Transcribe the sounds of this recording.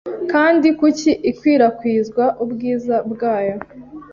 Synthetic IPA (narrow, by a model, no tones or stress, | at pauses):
kaːndikuciʔikwiːɾakwiːzɡwaʔubɡiːzabɡaːjo